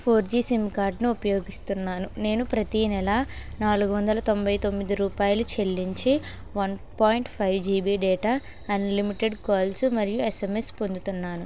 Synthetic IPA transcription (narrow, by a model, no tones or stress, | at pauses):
pʰoːɾd͡ʒiːsimkaːɾɖniupɐjo̞ːɡist̪unːaːnune̞ːnupɾɐt̪inɛlɐnaːluɡuʋɐnd̪ɐlɐt̪o̞mbʱɐjt̪o̞mːid̪iɾuːpaːjɐlut͡ʃe̞lːiɲt͡ʃi | ʋɐnpoːjɳʈpʰɐjʋd͡ʒiːbiːɖɛːʈaː | ɐnlimiʈeɖkaːlsmɐɾijueseme̞spo̞nd̪ut̪unːaːnu